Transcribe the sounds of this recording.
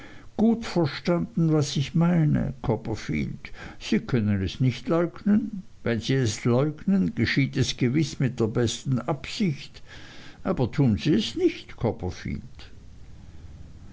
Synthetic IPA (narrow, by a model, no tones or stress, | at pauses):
ɡ̥uːtfɛɐʃtand̥n̩vasɪçmaɪnə̰kʰɔpɐfḭːld̥siːkʰœnənɛsnɪçtlɔʏɡnən | vɛnziːɛslɔʏɡnənɡ̥əʃiːtɛsɡ̥əvɪsmɪt̚d̥eːɐbɛstn̩ʔapsɪçtʔaːbɐtʰuːnziːɛsnɪçtkʰɔpɐfḭːld̥